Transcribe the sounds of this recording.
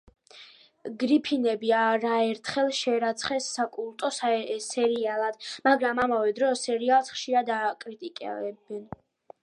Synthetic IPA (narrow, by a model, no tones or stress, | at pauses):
ɡɾipʰinɛbiaɾaɛɾt̪ʰχɛlˠʃɛɾat̪sʰχɛsːakʼulˠt̪ʼɔssɛɾialˠad̪̥maɡɾamamavɛd̪ɾɔsɛɾialˠsχʃiɾad̪akʼɾit̪ʼikʼɛ̰ɛbɛn